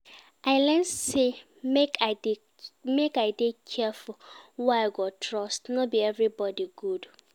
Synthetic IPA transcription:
ʔaɪlɛ̃nse | meka | mekaɪdekʰɛfulwaaɪɡɔtʰɹɔstnɔt̚biɛvɹibɔdiɡud

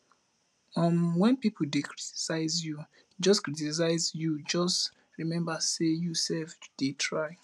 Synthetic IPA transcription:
ɔ̃nwɛ̃npipʰodekʰɹiti̥saɪzju | d͡ʒɔskɹitis̬aɪzjud͡ʒɔst | ɹimɛ̃mbasejusɛlfd̥etʰɹaɪ

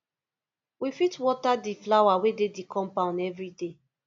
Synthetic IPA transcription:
wifitwɔtadiflawawededikʰɔ̃mpãʊ̃ndɛvɹide

